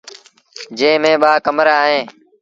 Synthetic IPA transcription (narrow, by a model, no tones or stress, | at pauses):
d͡ʒẽːmẽːɓaːkəmɾaːaːɦẽː